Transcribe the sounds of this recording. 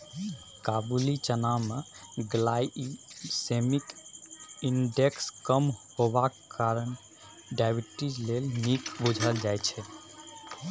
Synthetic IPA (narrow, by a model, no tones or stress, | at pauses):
kabulit͡ʃənameɡlajsemik | inɖekskəmhobak | kaɾən | ɖajbiʈid͡ʒlelnikbud͡ʒʱəld͡ʒajt͡ʃʰɛ